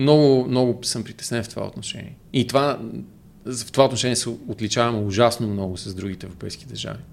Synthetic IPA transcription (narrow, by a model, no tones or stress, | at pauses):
mnɔɡʊmnɔɡʊsəmpɾit̪ɛsnɛnft̪ova̰o̰t̪noʃɛ̰nḭɛ | it̪ova | ft̪ovaot̪noʃɛniːɛsɛot̪lit͡ʃavɐmʊʒasnomnɔɡʊsɐzd̪ɾuɡit̪ɛːvɾopɛjskid̪ɐɾʒa̰vi